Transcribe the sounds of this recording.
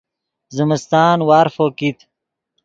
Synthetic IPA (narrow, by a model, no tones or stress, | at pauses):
zəməst̪aːnwaːɾfoːkit̪ʰ